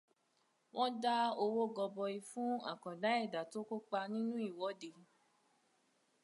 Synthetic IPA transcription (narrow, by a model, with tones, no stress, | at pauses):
w̃ɔ̃˦da˦o˧wo˦ɡɔ˧bɔ˧i˧fũ˦a̰˦˨kɔ̃˨da˨˦ɛ˦˨da˨to˨˦ko˦k͡pa˧nĩ˦nũ˦i˦˨wɔ˨˦de˨